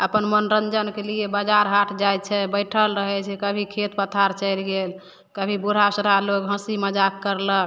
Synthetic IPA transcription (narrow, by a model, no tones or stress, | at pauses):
əpənmənɾənd͡ʒənkeliebəd͡ʒaɾɦaʈʰd͡ʒajt͡ʃʰɛbəjʈʰəlɾəɦɛt͡ʃʰɛkəbʱikʰet̪pət̪ʰaɾt͡ʃəjlɡel | kəbʱibuɽ̤ʱasəɾalokɦə̃siməd͡ʒakːəɾlək